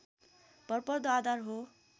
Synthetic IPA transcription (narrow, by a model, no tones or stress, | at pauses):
b̥ʌrpʌrd̪ɔad̪arɦo